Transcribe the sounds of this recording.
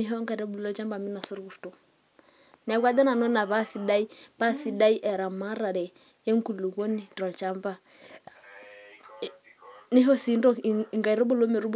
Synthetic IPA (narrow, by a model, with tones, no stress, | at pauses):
i˦ɦɔ˦ŋɡa˨ɾɔ˦bu˨lɔ˦t͡ʃa˦mba˨mi˦na˨su˦ɾku˨ɾtu˨ | nɛ˨˦kʷa˦dɛ˦na˨nɔ˦na˨βa˦si˨˦da˦i˦pa˦si˦da˦i˦ʔɛ˨ɾa˨ma˦ɾa˨ɾɛ˨ | ɛ˦ŋku˨lu˨ɡo˦ni˨tɔ˨lt͡ʃa˦mba˨ | ni˦ɦɔ˦si˨˦ndɔ˦˨ŋɡa˨i˨ɾɔ˦bu˦˨lo˦mɛ˨ɾu˦bu˦